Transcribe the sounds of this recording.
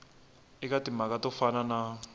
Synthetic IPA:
ikatimakatɔfanana

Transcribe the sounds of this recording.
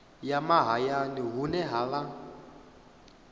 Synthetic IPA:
jamaɦajaniɦunɛɦala

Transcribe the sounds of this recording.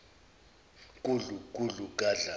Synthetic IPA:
kʼuɮukʼulukʼaɮa

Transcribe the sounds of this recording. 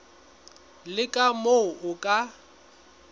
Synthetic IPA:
lɪkʼamoʊʊkʼa

